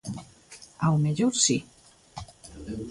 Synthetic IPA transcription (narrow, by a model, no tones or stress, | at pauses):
awmeʎoɾsi